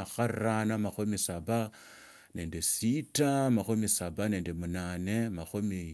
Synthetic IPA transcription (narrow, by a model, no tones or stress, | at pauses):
xarranamaxomisaba | ne̞ːndesitamaxomisabane̞ːndemunaːne̞maxomi